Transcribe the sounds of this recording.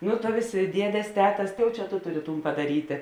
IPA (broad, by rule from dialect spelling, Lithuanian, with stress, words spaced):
nʊ tɐ ˈʋʲeːsʲeː ˈdʲiɛdʲeːs ˈtʲæːtɐs ˈtɐɪ jɛʊ ˈt͡ʃʲɛ ˈtoː ˈtʊˌrʲɪ ˈtuːn pɐdɐˈrʲiːtʲeː